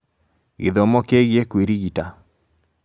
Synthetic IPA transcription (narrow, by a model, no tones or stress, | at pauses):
ɣḭðɔmɔkeɣiekwiɾiɣita